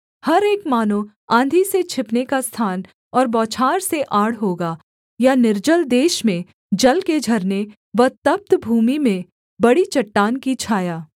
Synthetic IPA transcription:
hɐɾeːkmaːno | ãːnd̪ʱiset͡ʃʰɪpnekast̪ʰaːn | ɔːɾbɔːt͡ʃʰaːɾseʔaːɽɦoːɡa | janɪɾd͡ʒəld̪eːʃmẽ | d͡ʒɐlked͡ʒʱɐɾne | ʋɐt̪əp̚t̪bʱuːmimẽ | bɐɽit͡ʃɐʈːaːnkit͡ʃʰaːjaː

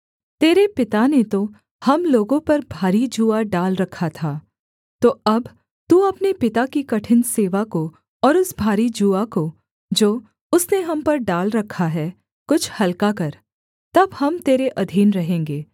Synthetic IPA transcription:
t̪eːɾepɪt̪anet̪o | hɐmloːɡõpɐɾbʱaːɾid͡ʒuːaɖaːlɾɐkʰːat̪ʰaː | t̪oːɐb | t̪uɐpnepɪt̪akikɐʈʰɪnseːʋako | ɔːɾʊsbʱaːɾid͡ʒuako | d͡ʒoː | ʊsneɦɐmpɐɾɖaːlɾɐkʰːaɦɛ | kʊt͡ʃʰhɐlkakɐɾ | t̪ɐbhɐmt̪eːɾeʔɐd̪ʱiːnɾɐɦẽːŋɡeː

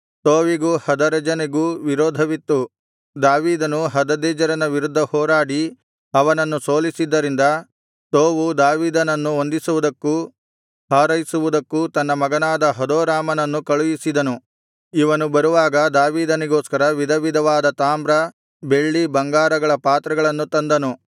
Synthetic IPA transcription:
t̪oːʋiɡuhɐd̪ɐɾɐd͡ʒɐneɡuʋiɾoːd̪ʱɐʋit̪ːu | d̪aːʋiːd̪ɐnuɦɐd̪ɐd̪ɛːd͡ʒɐɾɐnɐʋiɾud̪ʱːɐhɔːɾaːɽi | ɐʋɐnɐnːusoːlisid̪ːɐɾind̪ɐ | t̪oːʋud̪aːʋiːd̪ɐnɐnːuond̪isuʋud̪ɐkːu | haːɾɐjisuʋud̪ɐkːut̪ɐnːɐmɐɡɐnaːd̪ɐɦɐd̪oːɾaːmɐnɐnːukɐɭujisid̪ɐnu | iʋɐnubɐɾuʋaːɡɐd̪aːʋiːd̪ɐniɡoːskɐɾɐʋid̪ʱɐʋid̪ʱɐʋaːd̪ɐt̪aːmbɾɐ | be̞ɭːibɐŋɡaːɾɐɡɐɭɐpaːt̪ɾɐɡɐɭɐnːut̪ɐnd̪ɐnu

